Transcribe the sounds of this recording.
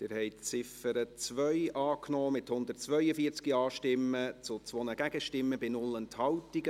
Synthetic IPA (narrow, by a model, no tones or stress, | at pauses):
d̪̥ɪːɾhɛɪtt͡sɪfəɾət͡sʋœʏʔɑːknɔːmɪthʊnd̪ərtt͡sʋœʏəfiːəɾt͡skiɑːʃtɪmːət͡sʊt͡sʋonəɡæɡ̥əʃtɪmːəbɪnʊlənthɑltiɡə